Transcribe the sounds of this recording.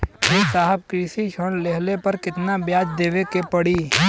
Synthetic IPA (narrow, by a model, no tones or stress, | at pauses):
esaːɦəb̚kɾiːsiʃəɽleɦlepɐɾkɪt̪nabjaːd͡ʒd̪eːʋekepɐɽiː